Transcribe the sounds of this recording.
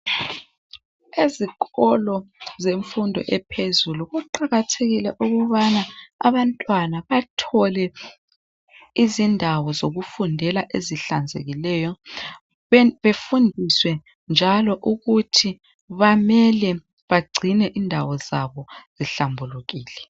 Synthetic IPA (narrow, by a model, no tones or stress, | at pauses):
eziɣɔlɔzeɱfundʱɔ̰ʔɛpʰezuluɣuǃaɣatʰeɣilɛʔuɣuβanaa̰βantʼwanaβatʰɔlɛ | izindʱawɔzoɣufundʱɛlaʔeziɬand͡zʱḛɣilɛjɔ | βefundʱiswɛ | nd͡ʒʱalɔʔuɣutʰi | βamɛlɛ | βaɡ͡ǀʱinɛʔindʱawɔzaβɔz̥iɬambʱuluɣiːlɛ